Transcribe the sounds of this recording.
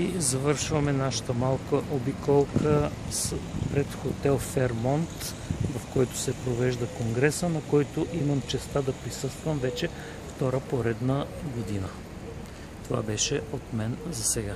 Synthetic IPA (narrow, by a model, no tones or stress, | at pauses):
izɐvɤɾʃvɐmɛnaʃə̥t̪əmalˠkəʔobikɔlˠkə | spɾɛt̪xot̪ɛlˠfɛɾmɔnt̪ | vɐfkɔjt̪ʊ̥sɛpɾovɛʒd̪ɐkoŋɡɾɛsənɐkɔjt̪ʊʔimɐmt͡ʃɛst̪ad̪ɐpɾisɤst̪vɐmvɛt͡ʃɛ | ft̪ɔɾəpoɾɛd̪nəɡod̪inə | t̪ova̰bɛʃɛot̪mɛnzɐsɛɡa